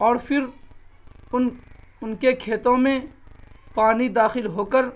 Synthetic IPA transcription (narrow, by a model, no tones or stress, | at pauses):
ɔːɾpʰɪɾ | ʊnʊnkekʰeːt̪õmẽ | paːnid̪aːxɪlɦoːkəɾ